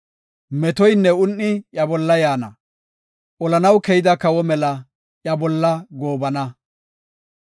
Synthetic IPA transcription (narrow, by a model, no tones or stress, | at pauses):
mɛt̪ɔjnːɛʊnːɪjɐbɔlːɐjaːnɐ̰ | ʔɔlɐnɐwkɛjɪd̪ɐkɐwɔmɛlɐ | jɐbɔlːɐɡo̞ːbɐnɐ